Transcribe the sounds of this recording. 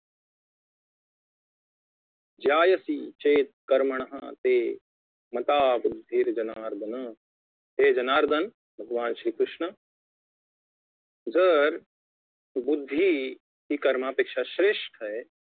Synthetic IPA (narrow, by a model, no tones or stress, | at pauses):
d͡ʒaːjɐsit͡ʃeːt̪̚kɐɾmɐɳ̃ɐɦɐ̰t̪eː | mɐt̪aːbud̪ʱːiɾd͡ʒɐnaːɾd̪ʱɐnɐ | ɦ̪eːd͡ʒɐnaːɾd̪ʱɐn | bʱɐɡʋaːnʃɾiːkɾuʃɳɐ | zɐɾ | bud̪ʱːi | ɦikɐɾmaːpeːkʃaʃɾeːʂʈʰɐe